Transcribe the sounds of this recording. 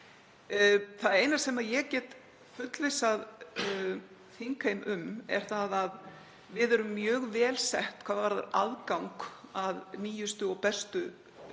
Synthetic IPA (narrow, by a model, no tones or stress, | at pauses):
θaðeːjnasɛmajɛɣcɛːt̪ | fʏt̪lesað | θiŋkaejmʏmɛ̰ɾ̥θaðað | vɪðɛɾʏmːjœːɣvɛːlsɛht̪kʰvaːðvaɾða̰ɾa̰ðkawŋkaðniːjʏst̪ʏɔɣpɛst̪ʏ